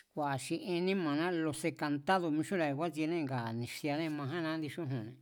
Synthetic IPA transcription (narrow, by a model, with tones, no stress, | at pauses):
kʷa˨ʃi˧ʔi˧nĩ˦mã˨nã˦lo˧se˧ka˧nt̪a˦ðo˧mĩ˧ʃu˦ɾa˨i˨˧kʷa˦t͡ʃi˧nẽ˦˧ŋɡa˨nĩ˨ʃi˧a˧nẽ˦˧mã˧ɦã˦nã˧˦nd̪i˧ʃũ˦ɦũ˨nẽ˨